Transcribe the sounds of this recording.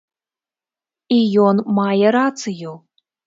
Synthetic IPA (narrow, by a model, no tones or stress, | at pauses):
ijɔnmajɛɾat̪sɨju